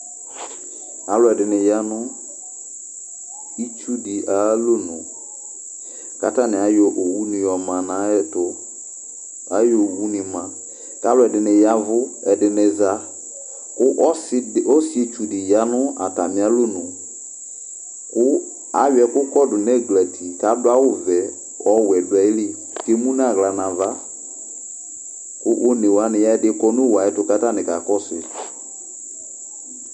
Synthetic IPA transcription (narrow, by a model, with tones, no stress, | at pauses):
a˨˦lʊ˨˦ɛ˨dɪ˨nɪ˨ja˦nʊ˦ | i˦t͡ʃu˦dɪ˨ʔa˨˦lʊ˦nʊ̰̃˨ | ka˨˦ta˦nɪ̃˨a˨˦jɔ˨ʔo˨wu˦nɪ̃˨jɔ˨mã˨nã˨˦ɛ˦˨tʊ˦ | a˦jo˨wu˦nɪ̃˨mã˨ | ka˦lʊ˦ɛ˨dɪ˨nɪ˨ja˦vʊ˦ɛ˨dɪ˨nɪ˨za˦ | kʊ˦ʔso˦si˦e˨t͡ʃu˨dɪ˨ja˨˦nʊ̃˦a̰˨ta˨mɪ̃˨˦a˦lʊ˦nʊ̃˨ | kʊ˦ | a̰˨˦jɛ˨kʊ˦kɔ˦dʊ˨n˦ɛ˦˨ɡlɛ˨tʰi˨ka˨˦bʊ˦a˦wʊ˦vɛ˨ | ɔ˦wɛ˨da˨˦li˦ | ke˦mũ˦n˦a˦˨ɣla˨nã˨va˦ | kʊ˦ʔo˦ne˨wa˦nɪ̃˨ja˦ɛ˦dɪ˦kɔ˦nʊ̃˦˨wa˨ɛ˦tʊ˨ka˦ta˦˨nɪ̃˨ka˨kɔ˦sɪ̰˨